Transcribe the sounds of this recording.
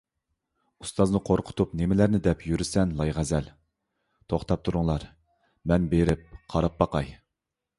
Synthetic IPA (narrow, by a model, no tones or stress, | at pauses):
ust̪ɑznɨqʰoɾqʰʊ̥t̪ʰupnemɪlæɾnɪd̪ɛpjyɾɪsɛnlˠɑjʁɛzɛl | t̪ʰoχt̪ʰɑp̚t̪ʰuɾuŋlˠɑɾ | mɛnbeɾɪp̚qʰɑɾɑp̚bɑqɑj